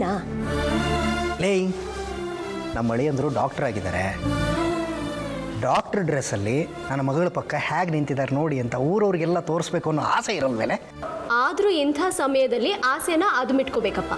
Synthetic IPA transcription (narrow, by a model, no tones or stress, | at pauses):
naː | lej | nɐmːɐɭɛjɐnd̪ɾuːɖa̰ːkʈɐɾaːɡid̪a̰ːɾḛ | ɖaːk̚ʈɐɾɖɾesɐlːi | nɐnːɐmɐɡɐɭupɐkːɐhaːɡnint̪id̪aːɾno̞ːɽiɐnt̪ɐuːɾɐʋɾiɡɛlːɐt̪oːɾsbeːkuɐnːua̰ːseiɾɐlmḛːle | aːd̪ɾuːint̪ʰaːsɐmɐjɐd̪ɐlːiʔaːsenɐʔɐd̪ʱmiʈkoːbeːkɐpːa̰ː